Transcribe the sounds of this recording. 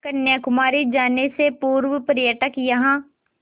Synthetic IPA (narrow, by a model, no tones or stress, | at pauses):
kɐnjakʊmaːɾid͡ʒaːnesepuːɾwəpəɾjəʈəkjɐɦãː